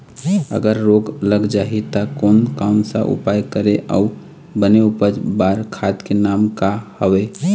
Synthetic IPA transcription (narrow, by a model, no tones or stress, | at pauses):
ə̰ɡəɾːoɡləɡd͡ʒaɦit̪əkoːnkaʊnsa̰ʔṵpajkəɾeʔa̰u | bəneupəd͡ʒbaɾkʰat̪kenamkahəwe